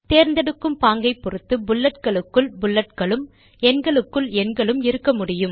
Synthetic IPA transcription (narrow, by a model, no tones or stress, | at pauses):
t̪eːɾnd̪ɐɽɯkːɯmpaːŋɡɐɪpːɔrɯt̪ːɯbʊlːɐʈ̚kɐɭɯkːɯɭbʊɭːɐʈ̚kɐɭɯm | ɛnɡɐɭɯkːɯɭɛnɡɐɭɯmɪɾɯkːɐmʊɽɪjɯm